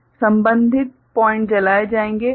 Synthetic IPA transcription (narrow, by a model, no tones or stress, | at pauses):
sɐ̃mbə̃nd̪ʱɪt̪̚pɔːɪ̃ɳʈ̚d͡ʒɐlaːed͡ʒaːẽːŋɡeː